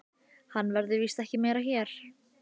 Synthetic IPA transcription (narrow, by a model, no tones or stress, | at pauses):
hanːvɛɾðɪviːst̪ɛhcɪmɛːjɾaçɛɾ̥